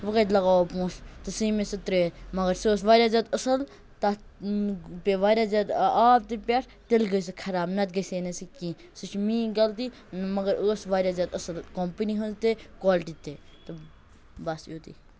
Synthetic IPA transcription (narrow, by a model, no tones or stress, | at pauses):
ʋəkət̪lɐɡaːopũːst̪ɐsiːmesɐt̪ɾeːmɐɡɐɾsoːs̬ʋaːɾʲjaːzʲat̪ɐsɐl | t̪a | peʋaːɾʲjaːzad̪aːp̚t̪epʲaʈʰ | t̪elɡəjs̬ɨkʰɐɾaːbnɐt̪̚ɡɐjsenɐsikĩː | sɨt͡ʃʰmĩːɡɐlt̪i | mɐɡɐɾoːsʋaːɾʲjaːzat̪ɐsɐlkompəniɦɐnzt̪ekaːlʈit̪eːt̪ɨ | bɐsjoːt̪ḭ